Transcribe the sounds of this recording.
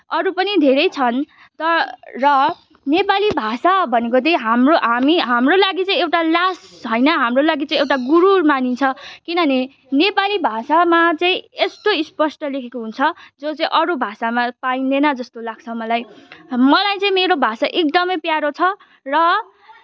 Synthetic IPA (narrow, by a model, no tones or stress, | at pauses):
ʌɾupʌnid̪ʱeɾʌjt͡sʰʌn | t̪ʌrʌ | nepalibʱasabʱʌnekot̪ʌĩɦamroɦamiɦamrolaɡit͡sʌĩewʈalasɦʌjnʌɦamrolaɡit͡sãĩewʈaɡuɾurmanint͡sʰʌkinʌne | nepalibʱasamat͡saĩesʈ̪oispʌsʈʌlekʰekoɦunt͡sʰʌd͡zot͡sʌĩʔʌɾubʱasamapainenʌd͡zʌst̪olaɡ̚t͡sʰʌmʌlajmʌlajt͡sʌĩmeɾobʱasaʔek̚d̪ʌmʌjpjaɾot͡sʰʌ | rʌ